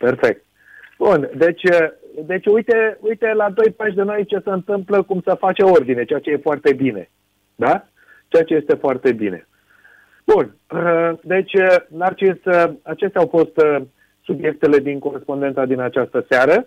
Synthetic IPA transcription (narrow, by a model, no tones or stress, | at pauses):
pe̞rfe̞k̚t̪̚ | b̥und̪e̞t͡ʃʲəd̪e̞t͡ʃʲujt̪e̞ujt̪e̞lad̪o̞jpaʃʲd̪eno̞jt͡ʃe̞səɨnt̪ɨmpləkumsəfat͡ʃeo̞rd̪ine̞t͡ʃeat͡ʃe̞je̞foart̪e̞bine̞ | d̪a | t͡ʃeat͡ʃe̞je̞st̪e̞foart̪e̞bine̞̰ | b̥un | d̪e̞t͡ʃʲənart͡ʃisəat͡ʃe̞st̪eawfo̞st̪ | subje̞k̚t̪e̞le̞d̪iŋko̞ɾe̞spo̞nd̪e̞nt̪ad̪inat͡ʃast̪əseaɾə